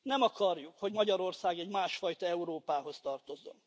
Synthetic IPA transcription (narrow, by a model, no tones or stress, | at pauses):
nɛmɒkɒrjukho̞ɟmɒɟɒɾo̞rsaːɡɛɟmaːʃfɒjt̪ɒɛuɾoːpaːɦo̞st̪ɒrt̪o̞zo̞̰n